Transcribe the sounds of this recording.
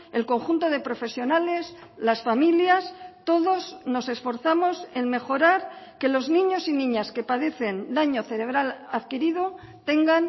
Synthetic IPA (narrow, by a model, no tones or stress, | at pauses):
e̞lko̞ŋxunt̪o̞ð̞e̞pɾo̞fe̞sjo̞nale̞zlasfamiljast̪o̞ðo̞zno̞se̞sfo̞ɾθamo̞se̞nme̞xo̞ɾaɾke̞lo̞znĩɲo̞sinĩɲaske̞paðe̞θe̞nd̪aɲo̞θe̞ɾe̞β̞ɾalaðkiɾiðo | t̪e̞ŋɡan